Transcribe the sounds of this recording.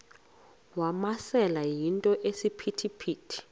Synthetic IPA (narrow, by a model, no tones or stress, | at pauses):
wamasɛlajintʼɔʔesipʰitʰipʰiːtʰi̥